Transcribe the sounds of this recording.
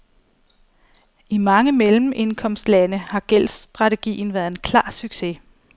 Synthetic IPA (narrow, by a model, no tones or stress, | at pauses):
imɑ̈ŋəmelm̩ʔe̝nkʰɒ̽m̰sd̥lænəhɑ̈ɡ̥el̰sd̥ʁɑ̈t͡sʰe̝ɡ̥ḭːn̩ʋæːɐð̩ˠe̝nkʰlɑ̰̈ːsyɡ̥se̝